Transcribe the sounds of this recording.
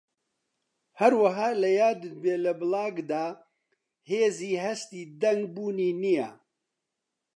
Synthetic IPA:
hɐɾwɐɦaːlɐjaːd̪ɨd̪̚beːlɐbɨlaːɡd̪aː | heːziːɦɐst̪iːd̪ɐŋɡbuːniːnija̰

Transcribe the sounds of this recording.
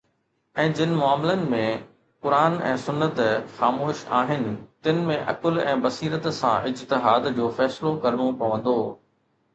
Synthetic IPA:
ɛ̃ːd͡ʑɪnɪ̆mʊaːmlənɪ̆mẽ | kʊɾaːnɛ̰̃ːsʊnːət̪xaːmoːʃa̰ːɦɪnɪ̆t̪ɪnɪ̆mẽʔɐ̰kəlɛ̃ːbɐsiːɾət̪sã̰ʔɪd͡ʑt̪ɪɦaːd̪d͡ʑoːfɛːslokɐɾmõpɐʋə̃n̆d̪oː

